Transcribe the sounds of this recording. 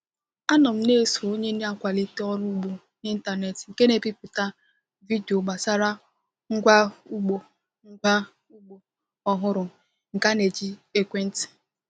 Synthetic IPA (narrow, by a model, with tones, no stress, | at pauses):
a˦nɔ˨m̩˦ne˦˨su˨o˦ɲe˦ne˦a˨kʷa˨li˦te˦ɔ˦ɾu˦ɡ͡bu˨ | i˦n̩˦ta˨ne˨tŋ̩˨ke˦ne˨pi˦pʊ˨ta˦ | vi˦di˨o˨ɡ͡ba˨sa˦ɾa˦ | ŋ̩˦ɡʷa˦u˦ɡ͡bo˨ | ŋ̩˦ɡʷa˦ | u˦ɡ͡bo˨ | ɔ˦ɦʊ˦ɾʊ˨ | ŋ̩˨ka˦ne˨d͡ʒi˦e˦kʷe˦n̩˦ti̥˨